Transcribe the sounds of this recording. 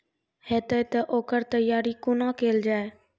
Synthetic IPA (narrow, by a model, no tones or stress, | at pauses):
heːt̪ət̪ɐʔoːkəɾt̪ɐjaːɾikʊnãːkeːld͡ʒaːe